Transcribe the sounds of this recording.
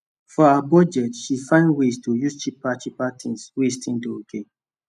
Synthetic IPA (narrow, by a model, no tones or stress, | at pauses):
fɔabɔd͡ʒɛtʃifãɪ̃ndwestʰujuzt͡ʃipːat͡ʃipatʰĩnswestʰĩndookʰe